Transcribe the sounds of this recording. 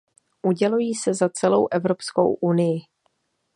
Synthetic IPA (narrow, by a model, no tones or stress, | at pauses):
ʔuɟɛlujiːsɛzat͡sɛlowʔɛvɾo̞psko̰wʔunɪjɪ